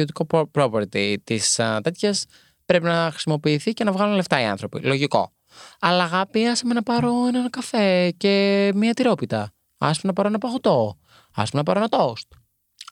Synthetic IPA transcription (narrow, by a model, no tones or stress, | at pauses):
o̞t̪iko̞pɾo̞poɾt̪it̪ist̪e̞t̪çɐs | pɾe̞pinɐxɾi̥simo̞piːθice̞nɐvɣɐlunle̞ft̪ɐiɐ̰nθɾo̞pḭlo̞ʝiko̞̰ | ɐlɐːɣɐpiɐsɐmenɐpɐɾo̞enɐnkɐfe̞ce̞miɐt̪iɾo̞pit̪ɐ | ɐ̰sɐmenɐpɐɾoenɐpɐɣot̪o̞ | ɐ̰sɐmenɐpɐɾoenɐt̪ost̪̚